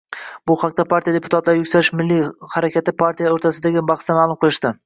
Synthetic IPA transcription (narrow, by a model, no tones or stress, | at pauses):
bʊhɑq̚d̪apʰaɾt̪ʰijad̪e̞pʰʊ̥t̪ʰat̪laɾɪjʊkʲsaɾɪʃmɪlːihaɾakʲʰat̪ɪpʰaɾt̪ʰijaoɾt̪ʰasɪd̪aɡʲɪbɑχst̪amaːlˠʊmqʰɨlˠɪʃt̪ɪ